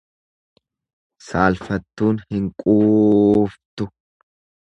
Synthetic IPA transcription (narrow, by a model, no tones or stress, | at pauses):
saːlfɐt̪ːuːnhɪŋkʼuːft̪ʊ